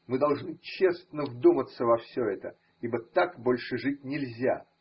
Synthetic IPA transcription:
mɨd̪ɐlˠʐnɨt͡ɕesnəvd̪umət̪sːəvɐfsʲɵɛt̪ə̰ | ibət̪akbolʲʂɨʐɨt̚ʲnʲɪlʲzʲa̰

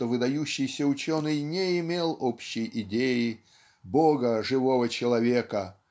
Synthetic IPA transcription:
ovɨd̪ɐjuɕːɪjsʲəʊt͡ɕonɨjnʲeɪmʲelˠopɕːɪjʔɪdʲejɪ | boɡəʐɨvovət͡ɕɪlˠɐvʲekə

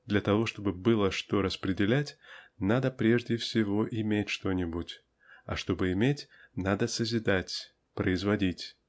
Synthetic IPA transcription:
d̪lʲɐt̪ɐvo̞ʂt̪o̞bɨbɨlˠəʂt̪o̞ɾəspɾʲɪdʲɪlʲætʲnad̪əpɾʲe̞ʐdʲɪfsʲɪvo̞ʔɪmʲetʲʂt̪o̞nʲɪbutʲ | ɐ̰ʂt̪o̞bɨɪmʲetʲnad̪əsəzʲɪd̪atʲ | pɾəɪzvɐdʲitʲ

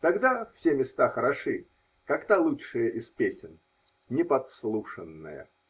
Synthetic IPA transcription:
t̪ɐɡd̪afsʲemʲɪst̪axəɾɐʂɨ | kɐkt̪alˠutʂɨjəʔɪspʲesʲɪn | nʲɪpɐt̪slˠuʂənːə̰jə̰

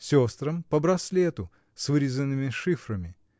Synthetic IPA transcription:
sʲost̪ɾəmpəbɾɐslʲet̪ʊ | svɨɾʲɪzənːɨmʲɪʂɨfɾəmʲɪ

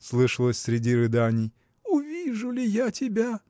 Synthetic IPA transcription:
slˠɨʂəlˠəsʲsʲɾʲɪdʲiɾɨd̪anʲɪj | ʊvʲiʐʊlʲɪjatʲɪbʲa

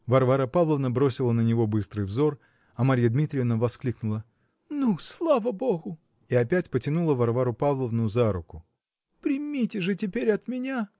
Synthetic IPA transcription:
vɐrvaɾəpavlˠəvnəbɾosʲɪlˠənənʲɪvo̞bɨst̪ɾɨjvzo̞r | ɐmɐɾʲijəd̪mʲit̪ɾʲɪnəvɐsklʲiknʊlˠə | nuslˠavəbo̞ɣʊ | ɪɐpʲætʲpətʲɪnulˠəvɐrvaɾʊpavlˠəvnʊzaɾʊkʊ | pɾʲɪmʲitʲɪʐɨtʲɪpʲeɾʲɐt̪mʲɪnʲa

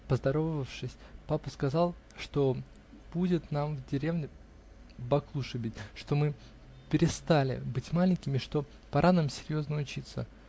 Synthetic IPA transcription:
pəzd̪ɐɾo̞vəvəfʂɨsʲpapəskɐzɑlˠ | ʂt̪o̞ | b̥udʲɪt̪namvdʲɪɾʲe̞vnʲɪ | bɐklˠuʂɨbʲɪtʲʂt̪o̞mɨ | pʲɪɾʲɪst̪alʲɪ̰bɨtʲmalʲɪnʲkʲɪmʲɪʂt̪o̞ | pɐɾʔanamsʲɪɾʲjo̞znəʊt͡ɕit̪sə̰

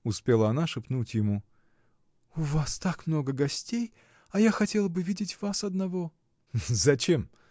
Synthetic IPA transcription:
ʊspʲelˠəɐnaʂɨpnutʲjɪmu | ʊvast̪akmno̞ɡəɡɐsʲtʲej | ɐjaxɐtʲe̞lˠəbɨvʲidʲɪtʲvasɐd̪nɐvo | zɐt͡ɕe̞m

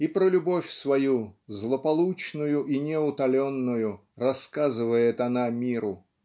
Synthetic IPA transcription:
ipɾəlʲʊbofʲsvɐjuzlˠəpɐlˠut͡ɕnʊjʊʔinʲɪʊt̪ɐlʲonːʊjʊ | rɐskazɨvəjɪt̪ɐnamʲiɾʊ

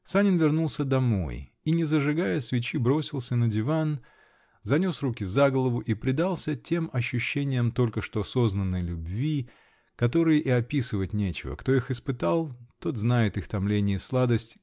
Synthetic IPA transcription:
sanʲɪnvʲɪrnulˠsʲəd̪ɐmo̞̰j | inʲɪzəʐɨɡajəsvʲɪt͡ɕibɾo̞sʲɪlˠsʲənədʲɪvan | zɐnʲo̞srukʲɪzaɡəlˠəvʊʔipɾʲɪd̪alˠsʲətʲe̞mɐɕːʉɕːenʲɪjəmt̪o̞lʲkəʂt̪oso̞znənːɨjlʲʊbvʲi | kɐt̪o̞ɾɨjəʔiɐpʲisɨvət̚ʲnʲet͡ɕɪ̰və̰kt̪o̞ixɨspɨt̪alˠt̪o̞t̪znajɪt̪ɨxt̪ɐmlʲenʲɪjəslˠad̪əsʲtʲ

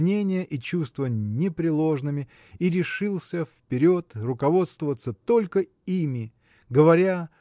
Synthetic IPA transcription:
nʲenʲɪjəʔit͡ɕust̪vənʲɪpɾʲɪlˠo̞ʐnɨmʲɪ | iɾʲɪʂɨlˠsʲəfpʲɪɾʲo̞t̪rʊkɐvo̞t̪st̪vəvət̪sət̪o̞lʲkə | imʲɪ | ɡəvɐɾʲa

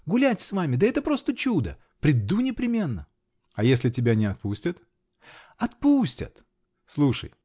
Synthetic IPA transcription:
ɡʊlʲætʲsvamʲɪd̪əɛt̪əpɾo̞st̪ət͡ɕud̪ə̰ | pɾʲɪd̪unʲɪpɾʲɪmʲe̞nːə | ɐjesʲlʲɪtʲɪbʲanʲɪɐt̪̚pusʲtʲət̪ | ɐt̪̚pusʲtʲə̰t̪ | slˠuʂə̰j

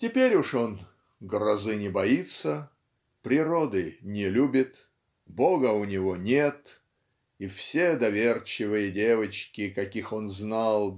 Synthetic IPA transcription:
tʲɪpʲeɾʲʊʂo̞n | ɡrɐzɨnʲɪbɐit̪sə | pɾʲɪɾod̪ɨnʲɪlʲubʲɪt̪ | bo̞ɡəʊnʲɪvo̞nʲet̪ | ifsʲe̞d̪ɐvʲe̞rt͡ɕɪvɨjədʲe̞vət͡ɕkʲɪkɐkʲixo̞nznalˠ

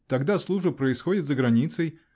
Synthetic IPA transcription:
t̪ɐɡd̪aslˠuʐbəpɾəɪsxodʲɪt̪zəɡɾɐnʲit̪səj

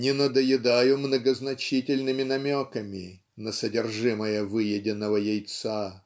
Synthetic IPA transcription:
nʲɪnəd̪əjɪd̪ajʊmnəɡəznɐt͡ɕitʲɪlʲnɨmʲɪnɐmʲokəmʲɪ | nəsədʲɪrʐɨməjəvɨjɪdʲɪnːəvəjejt̪sa

